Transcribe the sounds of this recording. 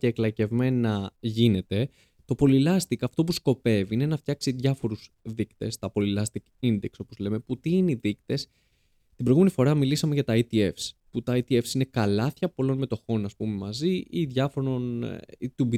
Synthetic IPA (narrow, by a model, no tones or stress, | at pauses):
ceːklɐce̞vme̞nɐʝine̞t̪e̞ | t̪o̞po̞lilɐst̪ikɐft̪o̞pusko̞pe̞viine̞nɐft̪çɐksiðʝɐfo̞ɾusðikt̪e̞̰st̪ɐpo̞lilɐst̪ikind̪ekso̞po̞zle̞me̞put̪iineiðikt̪e̞s | t̪ibɾoɣume̞nifo̞ɾɐmilisɐmeʝɐt̪ɐit̪ie̞fsput̪ɐit̪ie̞fsine̞kɐlɐθçɐpo̞lo̞nme̞t̪o̞xo̞nɐspume̞mɐziiðʝɐfo̞ɾo̞nit̪ubi